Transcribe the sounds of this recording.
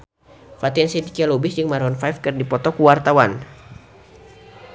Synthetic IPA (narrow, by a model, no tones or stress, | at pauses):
fat̪iɛnsidikialobɪsd͡ʒɨŋmaɾɔnfajfkɨrdipɔt̪ɔkuwart̪awan